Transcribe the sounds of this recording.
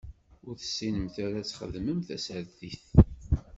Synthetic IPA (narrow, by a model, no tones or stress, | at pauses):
ʊɾθə̥sːinəmθaɾæt͡sːχə̰ðməmθæsəɾðiθ